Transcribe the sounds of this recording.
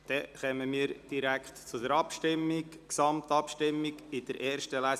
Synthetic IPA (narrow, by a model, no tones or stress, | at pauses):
d̪̥ɛχɛməmiːəɾd̥iɾækχt̪t͡sʊdəɾɑpʃtɪmːɪɡksɑmt̪ɑpʃtɪmːɪɡɪd̪̥əɾʔeːɾʃtəlæ